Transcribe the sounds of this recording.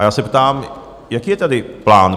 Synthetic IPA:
ajaːsɛpt̪aːm | jakiːjɛt̪ad̪ɪplaːn

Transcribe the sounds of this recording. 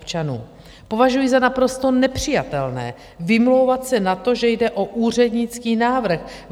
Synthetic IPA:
pt͡ʃanṵː | po̞vaʒujɪzanapɾo̞st̪o̞nɛpr̝̥ɪjat̪ɛlnɛ̰ː | vɪmlo̞wvat̪sɛnat̪o̞ʒɛjdɛʔo̞ʔuːr̝ɛdɲɪt͡skiːnaːvr̩x

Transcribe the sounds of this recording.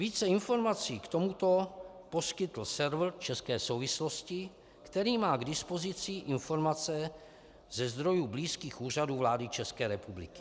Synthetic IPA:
viːt͡sɛɪnfo̞ɾmat͡siːkt̪o̞mut̪o̞po̞skɪt̪l̩sɛɾvr̩t͡ʃɛskɛːso̞wvɪslo̞scɪ | kt̪ɛɾiːmaːɡdɪspo̞zɪt͡sɪʔɪnfo̞ɾmat͡sɛ | zɛzd̪ɾo̞jubliːskiːxuːr̝aduːvlaːdɪt͡ʃɛskɛːɾɛpublɪ̰kɪ̥

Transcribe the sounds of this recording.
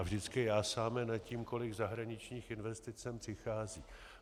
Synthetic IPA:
avʒdɪt͡skɪjaːsaːmɛnaciːmko̞lɪɡzaɦɾaɲɪt͡ʃɲiːxɪnvɛst̪ɪt͡sɛmpr̥ɪxaːziː

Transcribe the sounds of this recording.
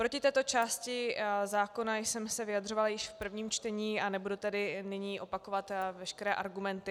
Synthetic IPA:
pɾocɪt̪ɛːt̪o̞t͡ʃaːscɪzaːko̞najsɛmsɛvɪad̪r̝o̞valajɪʃfpr̩vɲiːmt͡ʃt̪ɛɲiːʔanɛbudut̪ɛdɪnɪɲiːʔo̞pako̞vat̪vɛʃkɛɾɛːʔaɾɡumɛnt̪ɪ

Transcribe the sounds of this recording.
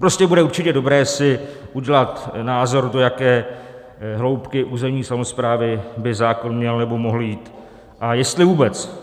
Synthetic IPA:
pɾo̞scɛbudɛuɾt͡ʃɪcɛdo̞bɾɛːsɪʔuɟɛlat̪naːzo̞ɾdo̞jakɛː | ɦlo̞wpkɪʔuːzɛmɲiːsamo̞spɾaːvɪbɪzaːko̞nmɲɛlnɛbo̞mo̞ɦl̩jiːt̪ | ʔajɛst̪lɪvuːbɛt͡s

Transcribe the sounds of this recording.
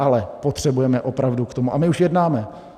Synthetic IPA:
ʔalɛpo̞t̪r̝̥ɛbujɛmɛʔo̞pɾavdukt̪o̞muʔamɪuʃjɛdnaːmɛ

